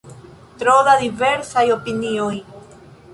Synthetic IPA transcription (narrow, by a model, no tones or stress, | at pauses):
t̪ɾoðaðive̞ɾsajo̞pinioj